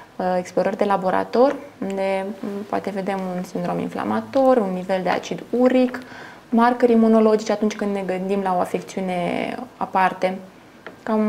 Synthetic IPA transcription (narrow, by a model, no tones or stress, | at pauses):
eksplo̞ɾərʲd̪e̞labo̞ɾa̰t̪o̞rʲund̪e̞poa̰t̪e̞ve̞d̪e̞munsind̪ɾo̞mḭnfla̰mat̪o̞runːive̞ld̪ea̰t͡ʃid̪uɾik | markəɾimuno̞lo̞d͡ʒit͡ʃeat̪unt͡ʃʲkɨnd̪ne̞ɡɨnd̪imlao̞afe̞kt̪siune̞a̰part̪e̞ | kam